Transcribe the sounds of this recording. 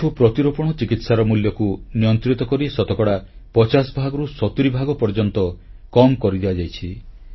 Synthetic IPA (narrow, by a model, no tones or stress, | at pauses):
upɾɔt̪iɾɔpɔɽ̃ɔt͡ʃikit̪saɾɔmuljɔkunijɔnt̪ɾit̪ɔkɔɾisɔt̪ɔkɔɽapɔt͡ʃasbʱaɡɔɾusɔt̪uɾibʱaɡɔpɔɾd͡ʒɔnt̪ɔkɔmkɔɾid̪ibad͡ʒajt͡ʃʰi